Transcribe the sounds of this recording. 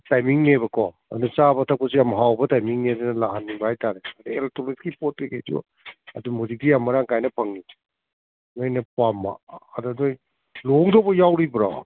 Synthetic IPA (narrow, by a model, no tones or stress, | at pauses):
tajmiŋnebɐkʰɔ | ɐdusabɐtʰɐp̚kɔs̬ijamɦawbɐtajmiŋnedenɐlaɦanːibɐhajtaɾeɐdueltoliskipot̚ːiked͡ʒio̰ | ɐdumhud͡ʒik̚dijamːɐɾaŋkajnɐpʰɐŋi | nojnɐpamːa̰ːdudoj | loŋdobɐjawɾibɾa̰